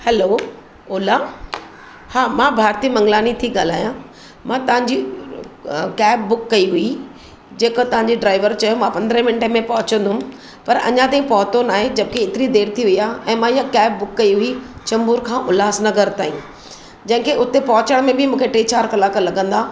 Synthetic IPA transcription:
hɛloː | ʊːlaː | haːmãːbʱaːɾt̪imɐ̃ŋɡlaːnit̪ʰiɠaːl̤aːjã | mãːt̪ɐʋ̤ãɲd͡ʑi | kɛːb̚ːʊkːɐiɦʊi | d͡ʑeːkot̪ɐʋ̤ãɲd͡ʑiɖɾaːɪʋəɾt͡ɕɐjomãpɐ̃nd̪ɾə̃mɪnʈmẽpɐɦʊt͡ɕə̃nd̪ʱʊʊ̃ | pɐɾɐ̰ɲãt̪̬aːĩpɐɦʊt̪onaːɦed͡ʑɐbɪkeɪt̪ɪɾid̪eːɾt̪ʰiʋɪiaːɛ̃ːmãijakɛːb̚ːʊkːɐiɦʊit͡ɕɐ̃mbuːɾkʰãːʔʊlaːsnɐɡəɾt̪aːĩ | d͡ʑɐ̃ɦɪ̃kʰeʔʊt̪epɐɦʊt͡ɕəɽ̃mẽbʱɪmũːkʰeʈeːt͡ɕaːɾkɐlaːkəlɐɡə̃nd̪aː

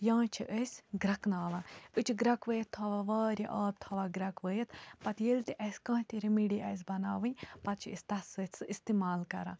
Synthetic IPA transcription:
jãːt͡ʃʰiʔəsʲɡɾɐknaːʋãːɨt͡ʃʰiɡɾɐkʋəjɐt̪ʰːɐʋaʋaːɾʲiʔɐːb̚t̪ʰɐʋaːɡɾɐkʋəjɐt̪pɐt̪jelt̪iʔɐsʲkɐ̃ːt̪iɾimiɽiʔɐs̬bɐnaːʋɨnʲpɐt̪̚t͡ʃʰiəsʲt̪ɐsət͡sɨist̪imaːlkɐ̰ɾã̰ː

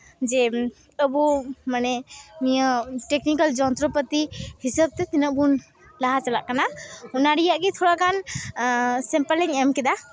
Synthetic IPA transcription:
d͡ʒɛ | əbɔmanɛmijəʈeknikəld͡ʒɔnt̪ɾɔpət̪ihisəb̚t̪ɛt̪inəʔbun | laɦat͡ʃala̰ʔkanaunaɽijaʔɡit̪ʰɔɽakʰan | sɛmpəlɛŋɛmkɛd̪a

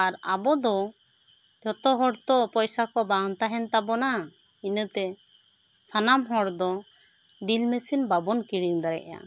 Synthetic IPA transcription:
aɾabɔd̪ɔ | d͡ʒɔt̪ɔɦɔɽt̪ɔpɔjsakɔbant̪aɦɛnt̪abɔnainət̪ɛ | sanamɦɔɽd̪ɔ | dilmesinbabɔnkiɽiŋbaɾɛ̰ʔja̰

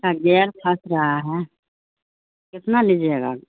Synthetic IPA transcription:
kaɡɛːɾkʰasɾɐɦaɦɛ | kɪt̪nalid͡ʒeɡa

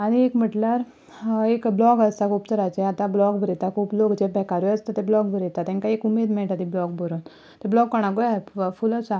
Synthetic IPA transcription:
aɽ̃iekm̤əʈlaɾ | ekblɔɡəst̪akʰuːpt̪əɾat͡ɕeat̪ãblɔɡbʱəɾit̪akʰuplokd͡ʑebʱɛkaɾuəst̪at̪eblɔɡbʱəɾit̪at̪ɛ̃ŋkaekumed̪mɛʈat̪iblɔɡ̚bəɾun | t̪eblɔɡːɔɽ̃aɡojafuləsa

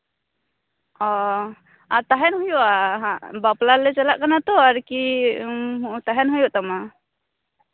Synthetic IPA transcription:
ɔ | at̪aɦɛnɦujɔʔaɦabaplalɛt͡ʃalaʔkanat̪ɔaɾki | ɦt̪aɦɛnɦujɔʔt̪ama

